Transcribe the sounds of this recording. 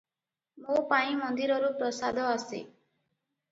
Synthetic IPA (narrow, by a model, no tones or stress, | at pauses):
mopaĩmɔnd̪iɾɔɾupɾɔsad̪ʱɔasḛ